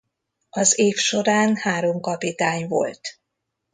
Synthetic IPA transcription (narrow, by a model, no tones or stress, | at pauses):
ɒzeːfʃoɾaːnhaːɾo̞mkɒpit̪aːɲvo̞̰lt̪